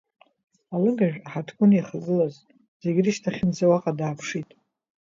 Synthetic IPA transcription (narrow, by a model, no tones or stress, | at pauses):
alɨɡaʒᶣħatʰɡʷʼʊniχaɡʼɨlaz | z̥e̞ɡʲɪriʃtʰaχʲɪnd͡zawaqʼadaːpʰʂitʼ